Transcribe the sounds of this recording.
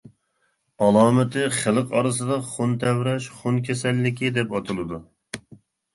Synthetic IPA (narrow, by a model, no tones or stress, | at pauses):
ɑlˠɑːmɨt̪ʰɪχəlˠəqɑɾɨs̬ɨd̪ɑχont̪ʰɛwɾɛʃχonkʲʰɛsɛlːɪkʲid̪ɛpɑt̪ʰɨlˠɨd̪u